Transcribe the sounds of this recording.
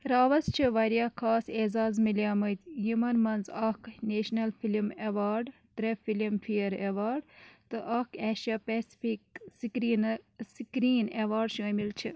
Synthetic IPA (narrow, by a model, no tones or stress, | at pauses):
ɾaːʋɐzt͡ʃʰiʋɐɾjaːkʰaːsezaːzmiljaːmɐt̪jimɐnmɐnzɐkneːʃnɐlfilimeʋaːɾɖt̪ɾefilimfijɐɾeʋaːɾɖt̪ɨʔɐkeːʃaːpesi̥fiksikɾinskɾiːneʋaːɾɖʃoːmilt͡ʃʰi